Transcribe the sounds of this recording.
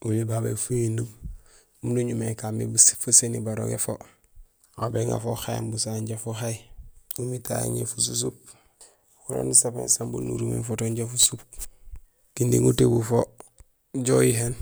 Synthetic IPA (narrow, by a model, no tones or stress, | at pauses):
ulibabḛfuindum | mnuɲumekamḭbsfasenibaɾo̰ɡḛfo̰ | abeŋa̰fohajembusaɲɟafoxajumita̰j̰ɲḛfusus̬up̚ | kuɾo̰ːndisapḛnsambṵlnṵɾumḛnfotoɲɟafusup̚ | kindiŋutebufo | ɟojiɦen